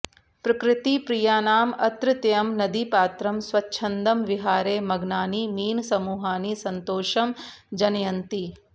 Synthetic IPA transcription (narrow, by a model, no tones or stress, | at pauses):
pɾɐkɾɪt̪ipɾijaːnaːmɐt̪ɾɪt̪jɐmnɐd̪ipaːt̪ɾɐmsʋɐtːʃʰɐnd̪ɐmʋiɦaːɾeːmɐɡnaːnimiːnsɐmuːɦaːnisɐnt̪oːʃɐmd͡ʒɐnɐjɐnt̪i